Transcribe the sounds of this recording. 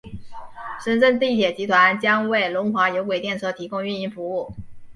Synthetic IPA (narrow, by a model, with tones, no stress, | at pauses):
ʂə˥nʈ͡ʂə˥˧nt̪i˥˩t̪ʰjɛ˨˩t͡ɕi˧˥t̪ʰwa˧˥nt͡ɕjɑ˥ŋwe˥˩ɪlʊ˧˥ŋxwa˧˥jo˧˥ʊkwe˨˩ɪt̪jɛ˥˧nʂɤ˥˩t̪ʰi˧˥kʊ˥ŋy˥˧ni˥˩nfu˧˥u˥˩